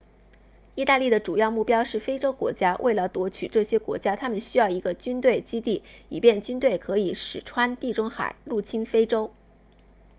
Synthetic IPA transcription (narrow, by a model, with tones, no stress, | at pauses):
i˥˧t̪a˥˧li˥˩d̪ə˩ʈ͡ʂu˨˩jɑ˥˧ʊmu˥˩pjɑ˥ʊʂɻ̩˥˩fe˥ɪʈ͡ʂo˥ʊkwɔ̰˧˥t͡ɕja˥wʔe˥˩ɪlə˩t̪wɔ˧˥t͡ɕʰy˨˩ʈ͡ʂɤ˥˩ɕjɛ˥kwɔ̰˧˥t͡ɕja˥t̪ʰa˥mə˨nɕy˥jɑ˥˩ʊi˧˥ɡə˧t͡ɕy˥nt̪we˥˩ɪt͡ɕi˥t̪i˥˩i˨˩pjɛ˥˩nt͡ɕy˥nt̪we˥˩ɪkʰɤ˧˥i˨˩˦ʂɻ̩˨˩ʈ͡ʂʰwa˥nt̪i˥˩ʈ͡ʂʊ˥ŋxa̰˨˩˦ɪlu˥˩t͡ɕʰi˥nfe˥ɪʈ͡ʂo˥ʊ